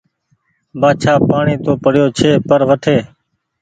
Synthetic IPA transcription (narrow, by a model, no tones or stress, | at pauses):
baːt͡ʃʰaːpaːɳiːt̪oːpəɽjoːt͡ʃʰeːpəɾʋəʈʰeː